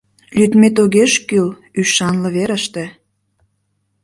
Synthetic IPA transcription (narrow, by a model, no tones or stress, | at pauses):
lyt̪met̪oɣeʃkyl | yʃːɑnlɤ̆βeɾə̆ʃt̪ĕ